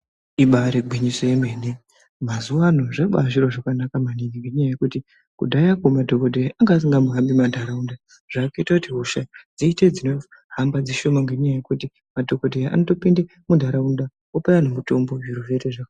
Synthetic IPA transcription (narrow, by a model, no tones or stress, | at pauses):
iɓaɾeɡʱwiɲisoje̞meːne | mazuʋanoʐeɓaʐiɾoʐakanakamaniniŋɡe̞ɲajaje̞kuti | kṵdʱajakomadʱo̞kodʱejaʔaŋɡaːs̬iŋɡamuɦambimadʱaɾaunda | ʐ̥aːkoitakutiɦuʃad͡ziited͡zino̞ | hambad͡ziʃo̞maŋɡe̞ɲajaje̞kuti | madʱo̞kodʱejaʔa̰no̞to̞pinde | mudʱaɾaunda | opajanomuto̞mbouɾuʋeɾeʐaka